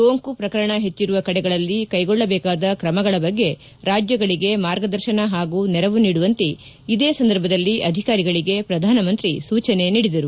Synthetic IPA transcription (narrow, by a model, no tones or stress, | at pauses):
soːŋkupɾɐkɐɾɐɳɐɦe̞t͡ʃːiɾuʋɐkɐɽɛɡɐɭɐlːikɐjɡɔɭːɐbɛːkaːd̪ɐkɾɐmɐɡɐɭɐbɐɡːe̞ | ɾaːd͡ʒjɐɡɐɭiɡe̞maːɾɡɐd̪ɐɾʃɐnɐɦaːɡuːnɛɾɐʋuniːɽuʋɐnt̪i | id̪eːsɐnd̪ɐɾbʱɐd̪ɐlːiʔɐd̪ʱikaːɾiɡɐɭiɡe̞pɾɐd̪ʱaːnɐmɐnt̪ɾisuːt͡ʃɐne̞niːɽid̪ɐɾu